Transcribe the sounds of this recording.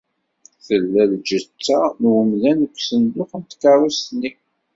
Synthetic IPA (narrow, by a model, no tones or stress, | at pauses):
θəlːæld͡ʒət͡sːanwəmlænəkʷːsənd̪ʊqənt̪kɑɾˤust̪nːi